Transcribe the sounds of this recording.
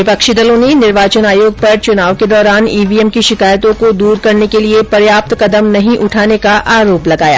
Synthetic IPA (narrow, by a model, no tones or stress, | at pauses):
ʋɪpɐkʃid̪ɐlõnenɪɾʋaːt͡ʃənaːjoːɡ̚pɐɾt͡ʃʊnaːʋked̪ɔːɾaːniːʋiːɛmkiʃɪkaːjt̪õkod̪uːɾkɐɾnekeliepɐɾjaːp̚t̪kɐd̪əmnɐɦĩʔʊʈʰaːnekaʔaːɾoːplɐɡaːja̰ː